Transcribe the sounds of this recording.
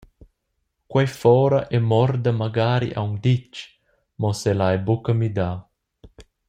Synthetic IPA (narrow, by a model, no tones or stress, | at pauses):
kwajfɔːɾaʔɛmɔrd̪amaɡaːɾḭʔa̰wŋd̪it͡ʃ | mɔselajbukəmid̪aː